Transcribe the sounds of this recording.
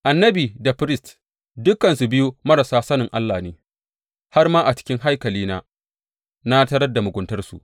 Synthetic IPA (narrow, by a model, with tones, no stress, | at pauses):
ʔa˨nːɐ˦biː˨da˨ɸɾɪ˦st | dʊ˦kːɐ˨nsu˨bɪ˦ju˦mɐ˦ɾa˨saː˦sɐ˦nɪ˨ŋʔa˦lːaː˨neː˦ | ha˦rmaː˦ʔa˨t͡ʃɪ̥˦kʲɪ˦ŋɦa˦jkɐ˨liː˦naː˦ | na˦tɐ˦ɾɐ˦da˨mʊ˨ɡʷʊ˨ntɐ˦rsṵ˨ʔ